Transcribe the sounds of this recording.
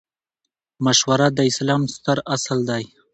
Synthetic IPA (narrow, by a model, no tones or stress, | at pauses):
maʃwaɾad̪əɪslɑmst̪əɾasald̪aj